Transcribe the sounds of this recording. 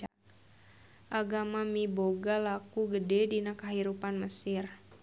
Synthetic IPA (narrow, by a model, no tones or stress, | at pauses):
ʔaɡamamiboɡalakuɡədɛdinakaɦiɾupanməsɪr